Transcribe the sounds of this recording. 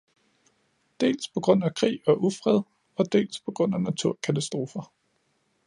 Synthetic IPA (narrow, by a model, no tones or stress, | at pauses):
d̥e̝̰ːlspʰɒ̽ɡ̥ʁɔ̽n̰ækʰʁḭːɒʔufʁɛð̞ˠ | ɒ̽d̥e̝̰ːlspʰɒ̽ɡ̥ʁɔ̽n̰ænæt͡sʰuɐ̰kʰæt͡sʰæsd̥ʁo̝ːfɐ